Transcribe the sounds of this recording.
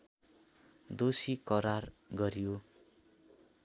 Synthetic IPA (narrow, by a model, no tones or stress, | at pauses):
d̪osikʌɾar | ɡʌɾjo